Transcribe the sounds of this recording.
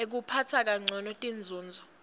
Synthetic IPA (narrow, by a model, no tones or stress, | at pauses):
ek̬upʰatʰak̬ʼaŋ͡ǀʱɔnɔtʼind͡zʱuːnd͡zʱɔ